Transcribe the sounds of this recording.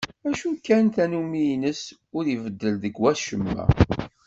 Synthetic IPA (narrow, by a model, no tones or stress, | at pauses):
æʃukːænt̪ænumijnəs | ʊɾivəd̪ːəlðəɡwæʃəmːæ̰